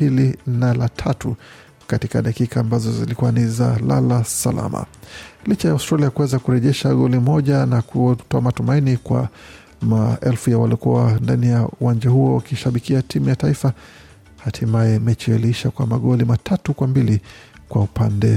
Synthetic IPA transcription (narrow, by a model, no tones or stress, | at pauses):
pilinalatʰatu | katikaɗakikaːmbazɔzilikuanizala̰lasa̰la̰ma̰lit͡ʃajauwstɾaliakuwɛzakuɾɛʄɛʃaɠɔlimɔʄanakuɔtɔamatumainikwa̰ | maɛlfujawa̰likuandanijauwand͡ʒahuɔṵkiʃaɓikiatʰimujataifa | hatʰimajɛmɛt͡ʃijaliiʃakwamaɠɔlimatʰatukwambilikwaupandɛ